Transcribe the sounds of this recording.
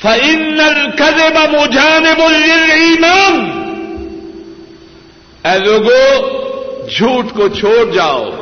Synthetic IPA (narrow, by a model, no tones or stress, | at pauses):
fɐʔɪnːɐlkɐðɪbɐmʊd͡ʒaːnɪbʊːɪliːmaːn | ɛːloːɡo | d͡ʒʱuːʈkot͡ʃʰoːɽd͡ʒaːo̰ː